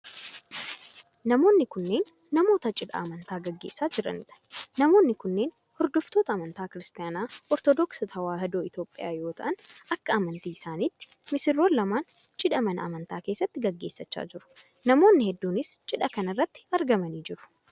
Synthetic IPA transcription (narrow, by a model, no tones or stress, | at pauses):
nɐmo̞ːnːɪkʊnːe̞ːnː | ɐmo̞ːt̪ɐt͡ʃʼɪᶑɐ̰ːmɐnt̪aːɡɐɡːe̞ːsːaːd͡ʒɪɾɐ̰nɪᶑɐ̥nɐmo̞ːnːɪkʊnːe̞ːn | hɔɾd̪ʊft̪o̞ːt̪ɐːmɐnt̪aːkɪɾɪst̪ɪjaːnaːɔɾt̪ɔd̪ɔksɐt̪ʰɐwaːhɛd̪oːɪt̪joːpʼːɪja̰ːjo̞ːt̪ɐʔɐnʔɐkːɐɐmɐnt̪iːɪsaːniːt̪ːɪ̥ | mɪsɪrːoːnːɐmaːn | t͡ʃʼɪᶑɐmɐnɐ̰ɐ̰mɐnt̪aːke̞ːsːɐt̪ːɪɡɐɡːe̞ːsːɐt͡ʃːa̰ːd͡ʒɪɾʊ̥ | nɐmo̞ːnːɪhɛd̪ːuːnɪst͡ʃʼɪᶑɐkɐnɪrːɐt̪ːɪ̥ɐɾɡɐmɐniːd͡ʒɪɾʊ̥